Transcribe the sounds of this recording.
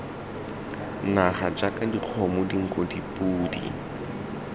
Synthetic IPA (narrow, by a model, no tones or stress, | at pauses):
naχad͡ʒakadiq͡χʰɔmʊdiŋ̩kʼɔdipʼuːdḭ